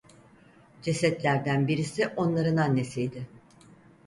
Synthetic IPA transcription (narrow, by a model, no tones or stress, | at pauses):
d͡ʒesɛt̪lʲæɾd̪ænbiɾisɪʔo̞nlˠaɾɯnanːe̞sijd̪ɪ